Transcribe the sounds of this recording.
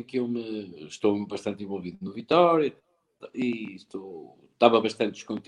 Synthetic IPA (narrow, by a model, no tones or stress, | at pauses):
kɨewmɨʃt̪owmβɐʃt̪ɐ̃nt̪ẽvolˠviðunuvit̪ɔɾjɐ | iʃt̪ow | t̪avɐβɐʃt̪ɐ̃nt̪ɨʃkõnt̪